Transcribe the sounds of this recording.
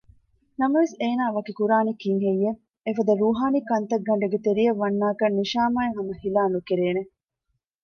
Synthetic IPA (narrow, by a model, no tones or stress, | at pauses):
nɐmɐʋeseːnaːʋɐkikuɾaːnikiŋɦejːe | efɐd̪ɐɾuːɦaːnikɐnt̪ɐɡːɐɳɖɐɡet̪eɾijɐʋːɐnːaːkɐnːiʃaːmaːeɦɐmɐhilaːnukeɾeːne